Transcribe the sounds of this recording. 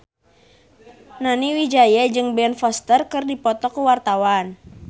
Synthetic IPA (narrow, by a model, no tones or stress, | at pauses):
naniwid͡ʒajad͡ʒɨŋbɛnfɔst̪ərkɨrdipɔt̪ɔkuwart̪awan